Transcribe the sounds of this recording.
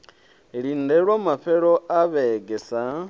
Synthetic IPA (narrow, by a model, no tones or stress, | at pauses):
ɺindeɺwamaɸeɺoaβeɡesa